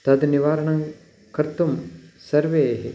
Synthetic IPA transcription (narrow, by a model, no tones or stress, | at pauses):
t̪ɐd̪niʋaːɾɐɳɐŋ | kɐɾt̪umsɐɾʋeːɦḭ